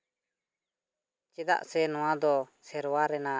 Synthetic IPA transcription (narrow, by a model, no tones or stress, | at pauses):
t͡ʃɛd̪a̰ʔsɛnɔwãd̪ɔsɛɾwaɾɛna